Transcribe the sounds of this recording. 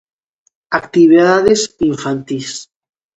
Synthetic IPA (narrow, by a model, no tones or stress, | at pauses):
akt̪iβiðaðesiɱfant̪is